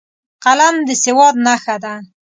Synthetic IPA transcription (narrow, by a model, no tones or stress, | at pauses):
qaland̪əsewɑd̪̚naxad̪a